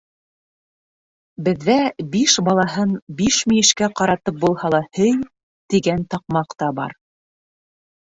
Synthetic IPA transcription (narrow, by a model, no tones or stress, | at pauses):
bɘ̆ðːæbiʃbɑlˠɑɦɤnbiʃmijɘ̆ʃkæqɑɾɑt̪ɤp̚bulˠhɑlˠɑhɘj | t̪iɡænt̪ɑq̚mɑqt̪ɑbɑ̰ɾ